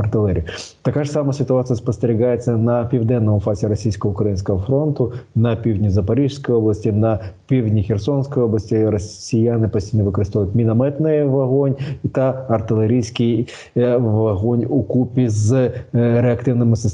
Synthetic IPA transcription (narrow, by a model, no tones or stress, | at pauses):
ɐrt̪ɪlˠɛɾʲḭjʊt̪ɐkaʐsamɐsʲɪt̪ʊat̪sɨjɐspɐst̪eɾʲɪɣajet͡sʲːɐnɐpʲiwd̪ɛnːɔmʊfazʲɪɾɐsʲijsʲkɔɦəʊkɾɐjinsʲkɐɦɐfɾont̪ʊnɐpʲiwdʲnʲizɐpɐɾɪʂsʲkɔjoblˠɐsʲtʲinɐpʲiwdʲnʲixʲersonsʲkɔjoblˠɐsʲtʲiɾɐsʲɪjanɪpɐsʲtʲijnɐʋɨkɔɾɨst̪ajʊt̪ʲmʲɪnɐmɛt̪nɪjɛʋɐɣonʲit̪aɐrt̪ɪlˠeɾʲijsʲkʲɪj | ʋɐɦonʲʊkupʲiz | ɾeɐkt̪ɪwnɪmɪsɐs